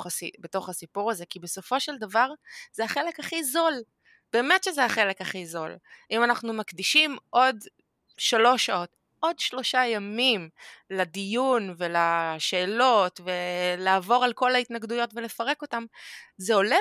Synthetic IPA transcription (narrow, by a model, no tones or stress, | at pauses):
sibeto̞χasipuʁaze̞kibe̞so̞fo̞ʃeldavaʁz̥eaχe̞le̞kaχizo̞l | b̥e̞ːmetʃezeaχe̞le̞kaχizo̞limanaχnumakdiʃimʔo̞d | ʃalo̞ʃao̞t | ʔo̞dʃlo̞ʃajamimladijunvelaʃe̞ːlo̞tve̞laːvo̞ʁalko̞laitnaɡdujo̞tve̞le̞faʁe̞ko̞tamzeo̞le